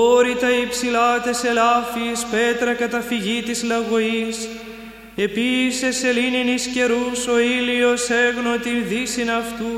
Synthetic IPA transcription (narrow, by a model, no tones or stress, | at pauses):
o̞ɾit̪ɐipsilɐt̪e̞se̞lɐfiːspe̞t̪ɾɐkɐt̪ɐfiʝit̪izlɐɣo̞is | e̞pise̞se̞lininisce̞ɾuso̞ilio̞se̞ɣno̞t̪inðisinɐft̪u